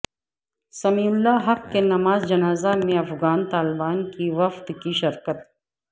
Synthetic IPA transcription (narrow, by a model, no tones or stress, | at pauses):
sɐmiːʊlːaɦɐqːkenɐmaːzd͡ʒɐnaːzamẽɐfɣaːnt̪aːlɪbaːnkiʋɐft̪kiʃɐɾkət̪̚